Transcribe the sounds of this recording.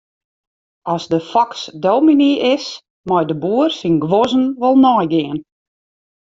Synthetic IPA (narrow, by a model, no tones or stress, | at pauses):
ɔzdəfɔksdowminiʔɪs | mɔjdəbuərsinɡʋozənʋɔlˠnɔjɡɪən